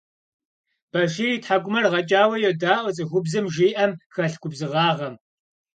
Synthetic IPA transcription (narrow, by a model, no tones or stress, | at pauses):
b̥ɐʒiːriːtħaɡʷʊmɐrʁɐt͡ʃʼaːwɐjɛdaːʔʷɨt͡sʼɨɣʷʊbzɨmʒiːʔɐmxɐɬɡʷʊbzɨʁɑːʁɐm